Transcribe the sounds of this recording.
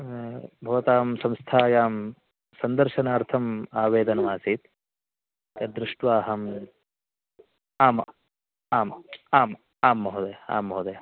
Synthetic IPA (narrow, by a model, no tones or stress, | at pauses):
bʱɐʋɐt̪aːmsɐmst̪ʰaːjaːm | sɐnd̪ɐɾʃɐnaːɾt̪ʰɐmaːʋeːd̪ɐnɐʋaːsiːt̪ | k̪ɐd̪ɾɪʂʈʋaːɦɐm | aːm | aːmaːm | aːmːɐɦud̪ɐa̰ːmːɐɦud̪e